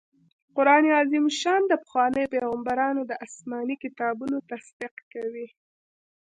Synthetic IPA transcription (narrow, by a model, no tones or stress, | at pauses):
qʊɾɑneɑzimʃɑnd̪əpə̥xwɑnəjpeɣambaɾɑnod̪əʔasmɑnikɪt̪ɑbunot̪asd̪ɪqkawi